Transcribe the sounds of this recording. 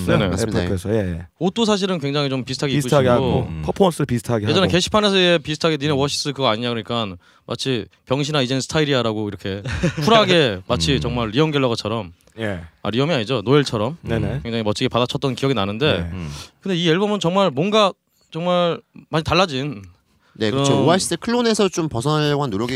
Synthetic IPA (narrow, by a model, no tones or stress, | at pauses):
nene̞esjejeot͈osʰaɕ̬ʰiɾɯnkweŋd͡ʑaŋit͡ɕompisʰɯtʰaɡik͈ːuɕʰaiɡeaɡoopʰʌpʰomʌs͈ʰɯɾpisʰɯ̥tʰaɡejed͡ʑʌneke̞ɕʰi̥pʰanes̬ʰɯepisʰɯ̥tʰaɡeninewʌɕʰi̥s͈ɯkɯɡʌaɲiɲakɯɾʌɲik͈an | mʔa̰t͡ɕʰipjʌŋɕʰinaid͡ʑensʰɯ̥tʰaiɾiaɾaɡoiɾʌkʰe̞pʰuɾaɡe̞mat͡ɕʰit͡ɕʌŋmaɭɾiʌŋɡjʌɭːʌɣat͡ɕʰʌɾʌm | jea̰ɾiʌmiaɲid͡ʑonoeɭt͡ɕʰʌɾʌmknenekweŋd͡ʑaŋimʌt͡ɕʰiɡepadat͡ɕʰʌt͈ʌnkijʌɡinanɯnde̞kɯnde̞ie̞ɭbʌmɯnt͡ɕʌŋmaɭmwʌnɡa | t͡ɕʌŋmaɭmaɲitaɭːad͡ʑin | nekɯɾɯʌaɕʰi̥s͈ʰɯkʰɯɭːone̞sʰʌt͡ɕompʌsʰʌɡwanːoɾjʌɡi